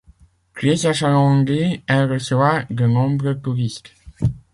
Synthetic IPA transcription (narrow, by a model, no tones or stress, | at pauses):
klisaʃalɑ̃ŋɡeɛʁəsəvaʁd̪ənɔ̃bʁət̪uʁist̪